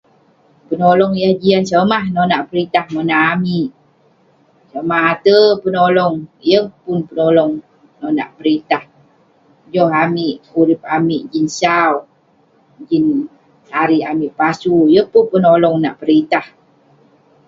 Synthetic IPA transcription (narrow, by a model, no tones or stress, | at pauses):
pənolɔŋjəhd͡ʒiansəmahnɔnaʔpəɾit̪ahmənaʔːmiʔ | səmaɦat̪əpənolɔŋjəhpunpənolɔŋ | nɔna̰ʔpəɾit̪ah | d͡ʒɔɦamiʔuɾip̚amiʔd͡ʒinsaw | d͡ʒin | aɾiamiʔpasujəhpunpənolɔŋnaʔpəɾit̪ah